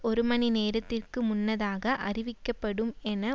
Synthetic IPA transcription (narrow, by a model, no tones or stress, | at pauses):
ɔɾɯmɐnineːɾɐt̪ːɪrkɯmʊnːɐðaːɣɐʔɐrɪʋɪkːɐpːɐɽɯmɛnɐ